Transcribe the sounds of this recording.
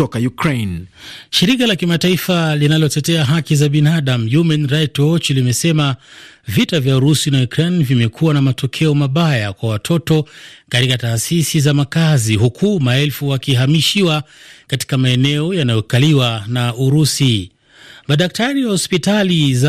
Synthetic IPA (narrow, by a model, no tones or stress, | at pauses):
ɔkajukɾenʃiɾikalakimataifalinalɔtɛtɛaɦakizaɓinaaɗam̩jumanɾajtɔt͡ʃlimɛsɛmavitavjauɾusinajukɾenvimɛkʰuwanamatɔkʰɛɔmaɓajakwawatʰɔtɔkatikataːsisizamakaziɦukʰumaɛlfuwakiɦamiʃiwakati̥kamaɛnɛɔjanajɔkaliwanauɾusi | maɗak̚taɾiahɔspitaliza